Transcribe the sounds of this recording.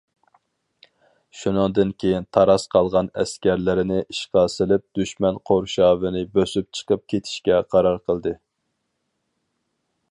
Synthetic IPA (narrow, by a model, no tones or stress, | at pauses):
ʃunɨŋd̪ɨnkʲʰejint̪ʰɑɾɑsqʰɑlˠʁɑnɛ̰skʲæɾlɪɾɪnɪʔiʃqɑsɪlɪp̚d̪̥yʃmɛnqʰoɾʃɑːvɪnɪbøsyp̚t͡ʃʰə̥qəp̚kʲʰet̪ʰɪ̥ʃkʲɛqʰɑɾɑɾqʰəlˠd̪ɨ